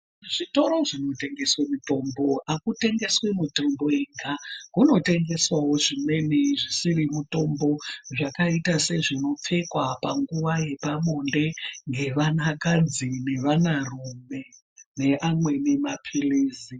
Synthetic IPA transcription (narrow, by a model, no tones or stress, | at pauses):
ʐito̞ɾo̞ʐino̞te̞ŋɡe̞swemuto̞mbo̞akute̞ŋɡe̞swe̞mutombo̞eŋɡakuno̞te̞ŋɡe̞swawo̞ʐime̞neʐisirimuto̞mbo̞ʐakaitase̞ʐino̞p͡fe̞kwapaŋɡuʋaje̞pamo̞nde̞ŋɡe̞ʋanakad͡zine̞ʋanarume̞ | ne̞ʔamwe̞ne̞mapʰiliːzi